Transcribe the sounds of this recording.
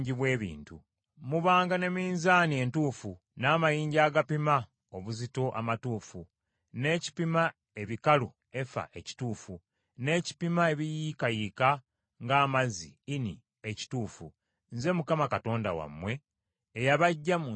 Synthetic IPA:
ɲɟiβwe̞ːβḭːntṵ | muβaːŋɡane̞miːnzaːnie̞ntuːfu | naːmajiːɲɟaːɡapima | o̞βuzito̞ʔa̰matuːfu | ne̞ːci̥pima | e̞βikalṵ | e̞fa̰ʔe̞ci̥tuːfu | ne̞ːci̥pimae̞βijikajika | ŋɡaːmazḭinḭ | eci̥tuːfṵ | nze̞mukamakato̞ːnda̰wa̰mːwe̞ː | jaβaɟːamu

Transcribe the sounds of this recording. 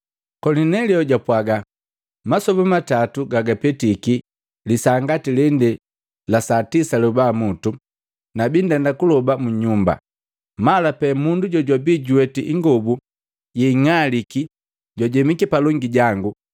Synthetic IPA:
kɔlinɛliɔɟapwaɡa | masɔbamatatuɡaɡapɛtiki | lisaŋɡatilɛndɛ | lasatisalubamutu | nabindɛndakulɔbamuɲumba̰ | malapɛmunduɟɔɟwabiːɟuɛtiʔiŋɡɔbu | jɛiŋaliki | ɟwaɟɛmikipalɔŋɡiɟaŋɡu

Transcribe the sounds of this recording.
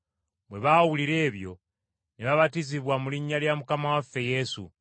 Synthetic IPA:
mwe̞βawuliɾe̞ːβjo̞̰ | neβaβatiziβwamuliɲːaljamukamawafːe̞je̞sṵ

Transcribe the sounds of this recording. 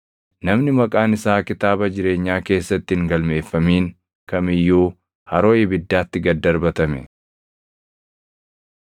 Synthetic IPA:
nɐmnɪmɐkʼaːnɪsaːkɪt̪aːbɐd͡ʒɪɾe̞ːɲːaːke̞ːsːɐt̪ːɪhɪŋɡɐlme̞ːfːɐmiːŋ | kɐmɪjːuː | hɐɾo̞ːjɛbɪd̪ːaːt̪ːɪɡɐd̪ːɐɾbɐt̪ɐmɛ̰

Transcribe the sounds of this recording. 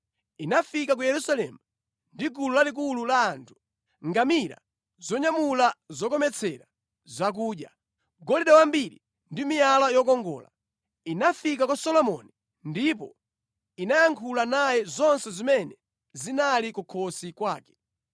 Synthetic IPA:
inafikak̬ujɛɾusalɛ̰mu | ndiɡululalik̬ululaːntʰu̥ | ŋɡamiɾa̰ | zɔɲamulazɔkɔmɛt͡sʰɛɾa | zak̬uːɗja | ɡɔliɗawambiɾḭ | ndimijalajɔk̬ɔŋɡɔ̰ːla̰ | inafik̬akwasɔlɔmɔ̰ni | ndip̬ɔ | inajaŋkʰulanajɛzɔnsɛzimɛnɛ | zinalikukʰɔsikwaːkɛ̥

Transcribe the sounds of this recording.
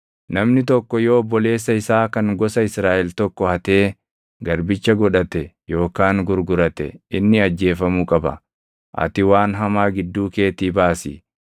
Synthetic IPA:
nɐmnɪt̪̬ɔkːɔjoːɔbːɔle̞ːsːɐɪsaːkɐŋɡɔsɐɪsɾaːʔɛlt̪ɔkːɔhɐt̪e̞ː | ɡɐɾbɪt͡ʃːɐɡɔᶑɐt̪ɛ | jo̞ːkaːŋɡʊɾɡʊɾɐt̪ɛ̰ɪnːɪɐd͡ʒːe̞ːfɐmuːkʼɐbɐ̰ | ʔɐ̰t̪ɪwaːnɦɐmaːɡɪd̪ːuːke̞ːt̪iːbaːsḭː

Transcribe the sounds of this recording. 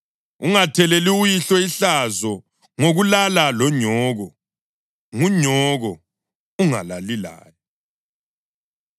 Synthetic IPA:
uŋatʰɛlɛliujiɬɔiɬazɔ | ŋoɣulalalɔɲɔːɣɔ | ŋuɲɔɣɔ | uŋa̰lalila̰ːli

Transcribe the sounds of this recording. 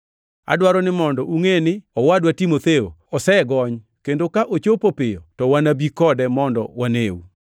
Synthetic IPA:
a̰dwaɾɔnɪmɔndɔʔuŋenɪɔwadwatimot̪eo̰ɔsɛɡɔɲ | kendokaʔot͡ʃopopɪjɔ̰tɔwanabikɔdɛmɔndɔ̰wanewṵ

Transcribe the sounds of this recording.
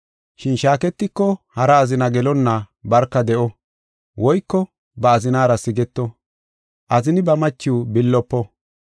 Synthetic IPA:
ʃɪnʃaːkɛt̪ːɪkːɔhɐɾɐːzɪnɐɡɛlɔnːa | bɐɾkːɐd̪ɛʔɔ | wɔjkːɔ | bɐːzɪnaːɾɐsɪɡɛt̪ːɔ | ʔɐzɪnɪbɐmɐt͡ʃːɪwbɪlːɔpːɔ

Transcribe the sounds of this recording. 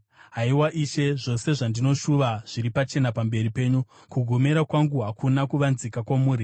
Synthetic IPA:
ɦaiwaʔiːʃe̞ʐo̞se̞ʐandino̞ʃuʋaʐ̥iɾipat͡ʃe̞napambe̞ripe̞ːɲu | kuɡʱome̞ɾakwaŋɡuɦakʰunakuʋanzikakwamuːɾi

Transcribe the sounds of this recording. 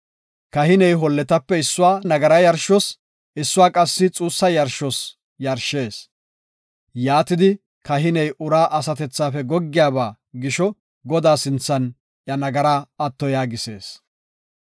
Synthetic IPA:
kɐhɪnɛjɦɔlːɛt̪ɐpːɛɪsːʊwaːnɐɡɐɾɐjɐɾʃɔs | ɪsːʊwaːkʼɐsːɪt͡sʼuːsːɐjɐɾʃɔs | jɐɾʃːe̞ːs | jaːt̪ɪd̪ɪ | kɐɦɪnɛjʔʊɾaːʔɐsɐt̪ɛt͡sːaːfɛɡɔɡːɪjaːbaː | ɡɪʃɔ | ɡɔd̪aːsɪnt͡sːɐn | ʔjɐnɐɡɐɾaːɐt̪ːɔjaːɡɪse̞̰ːs

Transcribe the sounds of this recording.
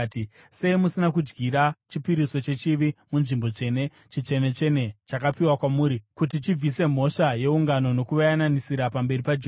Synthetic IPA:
tse̞imusinakud͡ʒɡiɾat͡ʃipiɾiso̞t͡ʃe̞t͡ʃiʋimunʐimbo̞t͡ʂe̞ne̞ | t͡ʃit͡ʂe̞ne̞t͡ʂe̞ne̞t͡ʃakapiwakwamuːɾikut̬it͡ʃib͡vise̞m̤o̞ʂaje̞uŋɡano̞no̞kuʋajananisiɾapambe̞ripad͡ʒ

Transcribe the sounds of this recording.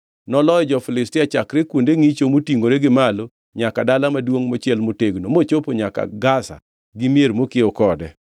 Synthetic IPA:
nɔlɔjɔd͡ʒɔfɪlɪstɪat͡ʃakɾekwondeŋit͡ʃomotiŋɡoɾeɡɪmalo | ɲakadalamadwoŋmot͡ʃɪɛlmoteɡnomot͡ʃopoɲaka̰ɡasa̰ | ɡɪmjeɾmokɪɔkɔdɛ

